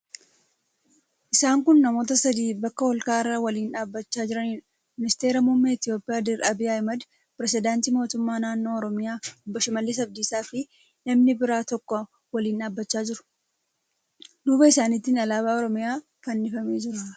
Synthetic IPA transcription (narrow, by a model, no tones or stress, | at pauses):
ʔɪsaːŋkʊnːɐmo̞ːt̪̬ɐsɐd̪iːbɐkːɐwɐlkaːɪrːaːwɐliːnᶑaːbːɐt͡ʃːaːd͡ʒɪɾɐniːn | mɪnɪst̪e̞ːɾɐmʊmːeːɪt̪ɪjo̞ːpʼɪjaːd̪ɪɾɐbiːɐmɐd̪ | pɪɾɛs̬ɪd̪aːnt̪iːmo̞ːt̪ʊmːaːnaːnːo̞ːɔɾɔmɪjaːʊbːɐʃɪmɐlːɪs̬ɐb̚d̪iːsaːfɪ | nɐmnɪbɪɾaːt̪ɔkːɔ | wɐliːnᶑaːbːɐt͡ʃːaːd͡ʒɪɾʊ̥ | d̪uːbɐɪsaːnɪt̪ːɪnɐlaːβaːɔɾɔmɪjaː | kɐnːɪfɐme̞ːd͡ʒɪɾɐ